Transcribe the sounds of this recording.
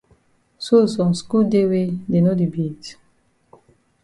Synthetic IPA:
so˦˨sɔ̃˨msku˦lde˦we˦de˨no˦di˨bi˦t

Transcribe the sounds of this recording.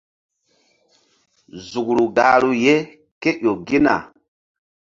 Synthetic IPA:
zu˨ɡɾu˨ɡa˨lu˦je˦ | ke˦ʔo˨ɡi˦na̰˨

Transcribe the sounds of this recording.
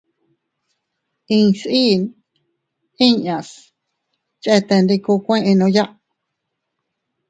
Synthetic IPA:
ĩ˧si˦n | ĩ˦ɲã˨s | t͡ʃʔe˦t̪e˧nɾi˧ku˧kʷẽ˦ʔẽ˧nõ˧ja˦ʔ

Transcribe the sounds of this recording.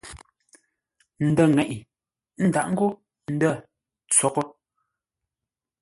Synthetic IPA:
n̩˨də˦˨ŋɛ˨ʔi˨ | n̩˦da˨ʔŋ̩˦ɡu˦ | n̩˦də˦˨ | t͡sɔ˨kɔ˦

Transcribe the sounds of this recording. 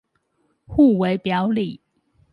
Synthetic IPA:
xu˥˩we˧˥ɪpjɑ˧˥ʊli˨˩˦

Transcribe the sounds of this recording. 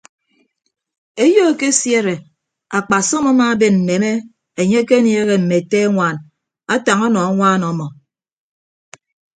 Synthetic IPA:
e˦jo˦e˨ke˦sje˦ɾe˨ | a˨k͡pa˨sɔ˦ma˦ma˦˨˦be˦n̩˨ne˨me˦ | e˨ɲe˦ke˦nje˦ɣe˨m̩˨me˨te˦ŋʷaː˦˨n | a˦ta˨ŋɔ˦nɔ˨a˦ŋʷaː˦nɔ˨˦mɔ˨

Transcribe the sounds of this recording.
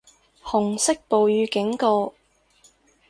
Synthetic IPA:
hʊ˨˩ŋsɪ˥k̚po˨wjyː˨˧kɪ˨˥ŋkɔː˧

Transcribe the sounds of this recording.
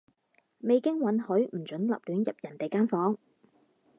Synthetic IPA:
me˨jkɪ˥ŋwɐ˨˥nhɵ˨˥ɥm̩˨˩t͡ʃɵ˨˥nlɐ̰˨p̚lyː˨˥njɐ˨p̚jɐ˨˩nt̪e˨jkaː˥nfɔː˨˥ŋ

